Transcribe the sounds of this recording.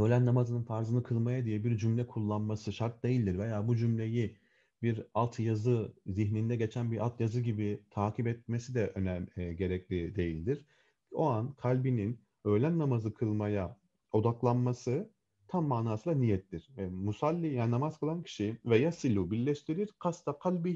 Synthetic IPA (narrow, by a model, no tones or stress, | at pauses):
ø̞lʲænːamazɯnɯnfaɾzɯnɯkʰɯlˠmajad̪ijɛbiɾd͡ʒymlʲɛkʰulˠːanmasɯʃaɾt̪̚d̪e̞jilʲd̪iɾvejaːbud͡ʒymlʲe̞ji | biɾalˠt̪ʰjazɯziçnind̪ɛɟe̞t͡ʃʰænbiɾʔa̰lˠt̪ʰjazɯɟibit̪ʰaːcipɛt̪̚me̞sid̪ɛʔønæmːɟe̞ɾɛclʲid̪e̞jilʲd̪iɾ̥ | o̞ankʰalʲbinin | ø̞jlʲænːamazɯkʰɯlˠmaja | o̞d̪aklˠanmasɯ | t̪ʰamːaːnaːsɯlˠanijɛt̪ʰlʲiɾ̥vɛmusalʲːijaːninamaz̥kʰɯlˠancʰi̥ʃivɛjasilʲubiɾlʲɛʃt̪ʰiɾiɾ̥kʰast̪ʰaqʰalʲbi